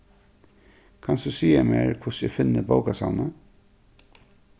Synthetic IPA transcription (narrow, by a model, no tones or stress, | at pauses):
kʰansd̪usiːameːɹkʰvʊsɛfɪnːəboʊkasa̰nə